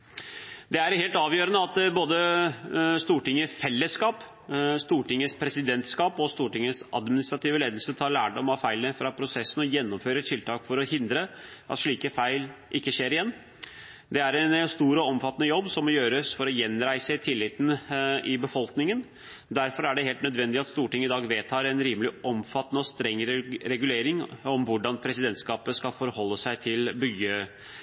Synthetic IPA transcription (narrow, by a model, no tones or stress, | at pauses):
d̪ɛæɾheːlt̪ɑːʋjøːɾənəɑt̪boːd̪ə | st̪uːʈɪŋːəfɛlːəskɑːp | st̪uːʈɪŋːəspʰɾɛsɪd̪ɛnt̪skɑːpɔst̪uːʈɪŋːəsɑ̰d̪mɪnɪst̪ɾɑt̪iːʋəleːd̪əlsət̪ʰɑːɾɭæːɖɔmɑfæɪlənəfɾɑpʰɾʊsɛsːənɔjɛnːɔmføːɾət̪ʰɪlt̪ʰɑːkfɔɾɔhɪnd̪ɾəʔɑ̰t̪ʂɭiːkəfæɪlʔɪkːəʂeːɾɪjɛnː | d̪ɛæɾɛnst̪uːɾɔɔmfɑt̪ːənəjɔbːsɔmːɔjøːɾəsfɔɾɔjɛnɾæɪsət̪ʰɪlːɪːt̪n̩ɪbəfɔlknɪŋən | d̪æɾfɔɾæɖɛɦeːlt̪nœd̪ʋɛnd̪ɪɑt̪st̪uːʈɪŋɪd̪ɑːɡʋeːt̪ʰɑːɾɛnɾiːməlɪʔɔmfɑt̪ːnəɔst̪ɾɛŋːɾɾɛɡʉleːɾɪŋɔmʋʊɖɑnpʰɾɛsɪd̪ɛnt̪skɑːpəskɑfɔɾhɔlːəsæɪt̪ʰɪlbʏə